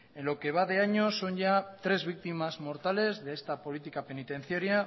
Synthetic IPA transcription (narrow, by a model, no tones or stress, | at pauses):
e̞nlo̞ke̞β̞að̞e̞aɲo̞so̞nʝat̪ɾe̞zβ̞ik̚t̪imazmo̞ɾt̪ale̞zðeest̪apo̞lit̪ikape̞nit̪ẽ̞n̟θjaɾja